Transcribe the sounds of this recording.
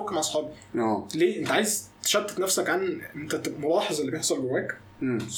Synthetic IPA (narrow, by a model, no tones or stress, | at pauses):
kːæmʕɑsˤħɑːbi | æːleːʔent̪æʕaːjezt̪e̥ʃæd̪ːe̥t̪næfsækʕanʔent̪æt̪emolɑːħezˤelːibjeħsˤɑlbewæːkː